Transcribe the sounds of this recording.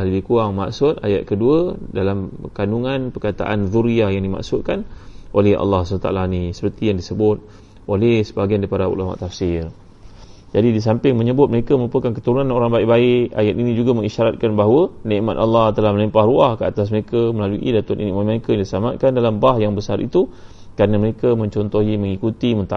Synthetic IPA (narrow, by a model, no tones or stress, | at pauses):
lahləbɪhkuaŋma̰ksʊt̪̚ajat̪̚kəduədalamkanuŋanpərkat̪a̰ʔa̰nðuɾiajaŋdima̰ʔsʊt̪̚kanʔolɛha̰lːɑhsant̪a̰a̰lanisə̥pərt̪ijaŋdisəbʊt̪̚ | olɛhsə̥baɡiandipadaṵlama̰ʔt̪ːafsɪr | d͡ʒadidis̬ampɪŋmə̃ɲəbʊt̪̚məɾekaməɾupakankət̪əɾunanoɾaŋbaɪʔbaɪʔa̰jat̪̚inĩd͡ʒuɡaməŋiʃaɾat̪̚kanbaɦwənẽʔma̰t̪alːɑht̪əlahməlimpahruahkəat̪as̬məɾekaməlaluʔḭdat̪ʊt̪ʔinĩʔmat̪̚məɾekajaŋdisamaʔ̪̚kandalambahjaŋbəsaɾʔḭt̪u | kɾanəməɾekamə̃ɲt͡ʃɔnt̪ɔɦiməŋikut̪imənt̪a̰